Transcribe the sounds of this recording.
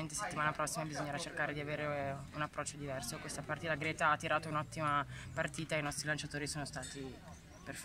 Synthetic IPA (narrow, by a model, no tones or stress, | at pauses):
ent̪ese̥t̪ːimaːnapɾɔsːimabizoɲːeɾat͡ʃerkaːɾed̪iaveːɾeunapːɾɔt͡ʃːod̪ivɛrsokwest̪apart̪iːt̪aɡɾɛːt̪aat̪ːiɾaːt̪ounɔt̪ːimapart̪iːt̪ainɔst̪ɾilant͡ʃat̪oːɾisoːnost̪aːt̪i | perf